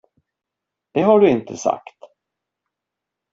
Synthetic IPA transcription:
d̪̥ɛɦaɖɵɪnt̪ʰəsa̰kt̪

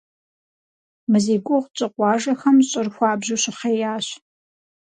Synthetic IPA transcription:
mɨziːɡʷʼʊʁt͡ʃʼɨqʷɑːʒɐxɐmɕʼɪrxʷɑːbʑuɕɪχeːjaːɕ

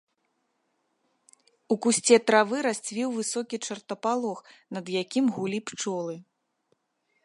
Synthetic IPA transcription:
ukusʲt͡sʲɛt̪ɾavɨɾasʲt͡sʲvʲiwvɨsɔkʲit͡ʂɐrt̪ɐpalˠɔxnɐd̪jakʲimɣulʲipt͡ʂɔlˠɨ

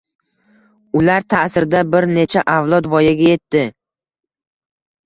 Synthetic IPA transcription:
ʊlaɾt̪ʰasɪɾd̪abɪɾne̞t͡ʃʰaʔavlˠɒd̪vɒjaɡʲaje̞t̪ːɪ

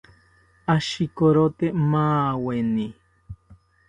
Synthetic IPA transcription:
aʃikoɾot̪emaːweni

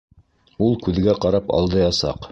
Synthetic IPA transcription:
ulˠkʉðɡæqɑɾɑpɑ̰lˠd̪ɤjɑsɑ̰q

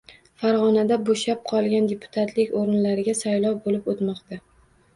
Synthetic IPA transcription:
faɾʁɒnad̪aboʃap̚qʰɒlˠɡʲand̪e̞pʰʊ̥t̪ʰat̪ʰlɪkʲoɾɪnlaɾɪɡʲasajlɒwbolɪpot̪mɒqt̪a

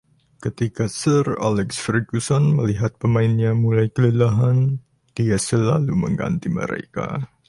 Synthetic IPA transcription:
kət̪ikasəra̰lɛksfɾiɡusɔnməliɦat̪̚pəmaɪnɲamulajkələlaɦan | d̥iasəlaluməŋɡa̰nt̪imə̰ɾḛka̰

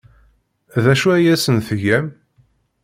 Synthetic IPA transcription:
ðæʃuæjæsənθəʝæm

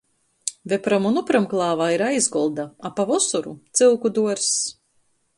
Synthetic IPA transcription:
vepɾamunupɾamklˠɑːvaːiɾajzɡɔlˠd̪aapavɔsuɾṵt̪silˠkud̪uɔɾs

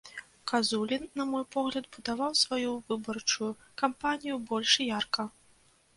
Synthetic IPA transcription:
kazulʲinːɐmɔjpɔɣlʲɐd̪bud̪avawsvajuvɨbɐrt͡ʂuju | kampanʲijubɔlʲʂijarkɐ

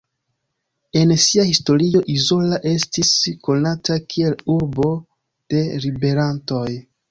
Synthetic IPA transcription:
e̞nsiahisto̞ɾio̞ʔizo̞laʔe̞stisko̞natakʰie̞luɾbo | d̥e̞libe̞ɾanto̞j

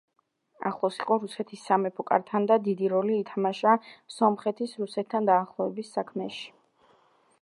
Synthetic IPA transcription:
a̰χlˠɔsiqʼɔɾusɛt̪ʰisːamɛpʰɔkʼa̰ɾt̪ʰand̪ad̪id̪iɾɔliːt̪ʰamaʃasɔmχɛt̪ʰisɾusɛt̪ʰt̪ʰːand̪aːχlˠɔɛbisːakʰmɛʃi̥

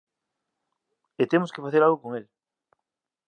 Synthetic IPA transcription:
et̪emoskefaθeɾalɣokoŋel

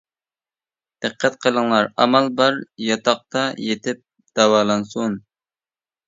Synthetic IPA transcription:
d̪̥ɨqʰːɛt̪̚qʰəlˠəŋlˠɑɾɑ̰mɑlˠbɑɾjɑt̪ʰɑq̚t̪ɑjet̪ʰɪp̚ | d̪̥ɑwɑːlˠɑnsun

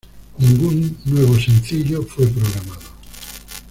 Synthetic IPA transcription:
nĩŋɡunːweβ̞osẽn̟θiʎofwep̬ɾoɣɾamaðo

